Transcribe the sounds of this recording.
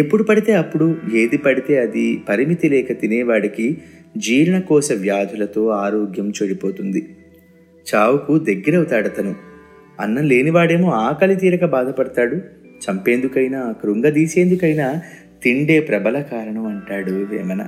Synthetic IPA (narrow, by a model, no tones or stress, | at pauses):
epːuɽupɐɽit̪e̞ːɐpːuɽue̞ːd̪ipɐɽit̪e̞ːɐd̪ipɐɾimit̪ilɛːkɐt̪ineːʋaːɽikid͡ʒiːɾɐɳɐkɔːsɐʋjaːd̪ʱulɐt̪o̞ːaːɾoːɡjɐmt͡ʃoːɽipo̞ːt̪und̪i | t͡ʃaːwukud̪ɐɡːiɾɐut̪aːɽɐt̪ɐnu | ɐ̰nːɐle̞ːniʋaːɽe̞ːmo̞ːaːkɐlit̪̬iːɾɐkɐbaːd̪ʱɐpɐɽɐt̪aːɽu | t͡ʃɐmpe̞ːnd̪ukɐjinaːɐkɐɾuŋɡɐd̪iːse̞ːnd̪ukɐjnaː | t̪iɳɖe̞ːpɾɐbɐlɐkaːɾɐɳɐmɐɳʈaːɽuʋḛːmɐnɐ̰